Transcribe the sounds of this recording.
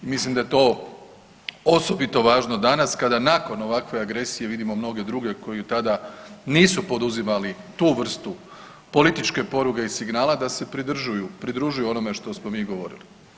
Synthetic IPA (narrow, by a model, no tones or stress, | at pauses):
imislimd̪ajet̪o̞ː | oso̞bit̪o̞ʋaːʒno̞d̪anaskad̪anako̞no̞ʋakʋe̞aɡɾe̞sije̞ʋid̪imo̞mno̞ɡe̞d̪ɾuɡe̞ko̞jut̪ad̪aniːsupo̞d̪uzimali | t̪uːʋr̩st̪u | po̞lit̪it͡ʃke̞po̞ɾuke̞isiɡnaːlad̪ase̞pɾid̪r̩ʒujupɾid̪ɾuʒujuo̞no̞me̞ʃt̪o̞smo̞miːɡo̞ʋo̞̰ɾḭli